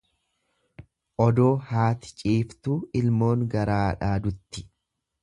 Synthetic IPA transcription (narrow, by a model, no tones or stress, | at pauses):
ʔɔd̪o̞ːhaːt̪ɪ̥t͡ʃʼiːft̪uːɪlmo̞ːŋɡɐɾaːᶑaːd̪ʊt̪ːɪ̥